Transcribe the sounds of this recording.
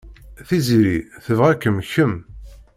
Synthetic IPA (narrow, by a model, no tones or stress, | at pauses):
θiziɾiθəvʁækːəmçəm